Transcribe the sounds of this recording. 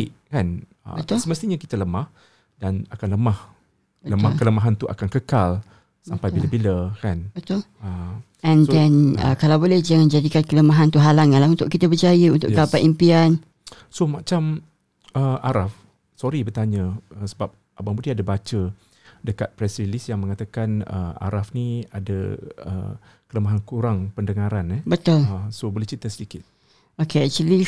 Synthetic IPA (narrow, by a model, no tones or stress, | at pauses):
iʔkan | ə̰ət̪səməst̪iɲakit̪ələmah | danakanləmah | ələmakələmaɦant̪uʔa̰kankəkal | sampajillabiləkanbət̪ʊl | ɛ̃ndɛnə̰kalawbolɛhd͡ʒaŋand͡ʒadikankələmaɦant̪uɦalaŋanlahunt̪ʊʔkit̪əbəd͡ʒajəunt̪ʊ̰ʔɡapaʔimpian | somat͡ʃam | əaɾaf | sɔɾibərt̪aɲə̃əsəbap̚ | ʔabaŋbudiadabat͡ʃə | dəkat̪̚pɾɛsɾilisjaŋmə̃ŋat̪akanə̰a̰ɾafnia̰da̰ə̰ | kələmaɦankuɾaŋpəndəŋaɾanɛbət̪ʊləsobolɛht͡ʃit̪əsədikɪt̪̚ | okeɛk̚t͡ʃuli